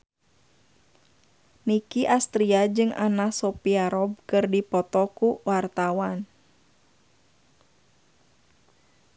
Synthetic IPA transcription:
nikiʔast̪ɾiad͡ʒɨŋa̰nasɔpiaɾɔb̚kɨrdipɔt̪ɔkuwart̪awan

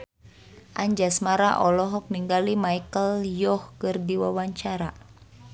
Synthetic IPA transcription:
ʔaɲd͡ʒasmaɾaʔɔlɔɦɔk̚niŋɡalimaikəljɔhkɨrdiwawaɲt͡ʃaɾa

